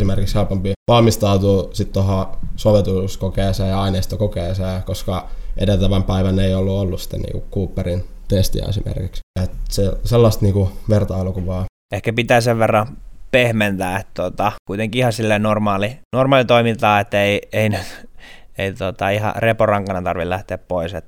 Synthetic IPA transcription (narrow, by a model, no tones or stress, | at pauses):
simerkiksheupompiʋɑlmist̪ɑut̪uːsit̪t̪ohɑsoʋet̪uskokeːseːjɑɑineist̪okokeːseːkoskɑʔedelt̪æʋæmpæiʋæneiolːuolːussi̥t̪ːˑḛnḭːŋkṵkkuːpːerint̪est̪ḭæ̰ḛsḭmḛrkikset̪seselːɑst̪niːkuʋert̪ɑilukuʋɑː | ehkæpit̪æːseʋʋerːɑpehment̪æːet̪t̪ot̪ɑkuit̪eŋkiihɑsilːeinormɑːlinormɑːlit̪oimint̪ɑːet̪ːeieinyt̪eit̪ot̪ɑihɑ̰reporɑŋkɑnɑt̪ɑrʋilæht̪eæppoiset̪